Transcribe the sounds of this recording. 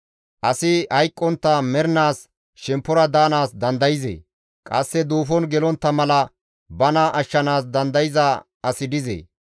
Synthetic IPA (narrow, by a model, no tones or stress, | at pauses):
ʔɐsɪhɐjkʼːɔnt̪ːɐmɛɾnaːs | ʃɛmpːɔɾɐd̪aːnaːsd̪ɐnd̪ɐjɪzḛː | kʼɐsːɛd̪uːfɔnɡɛlɔnt̪ːɐmɐlɐ | bɐnaʔɐʃːɐnaːsd̪ɐnd̪ɐjɪzɐ | ɐsɪd̪ɪzḛː